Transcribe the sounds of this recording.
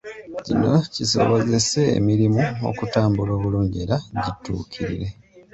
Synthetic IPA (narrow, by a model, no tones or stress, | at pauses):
cḭno̞ciso̞̰βo̞ze̞se̞̰ːmiɾimuo̰kutaːmbulo̞ːβuluːɲɟeɾaɟitṵːkʰiɾiɾe̞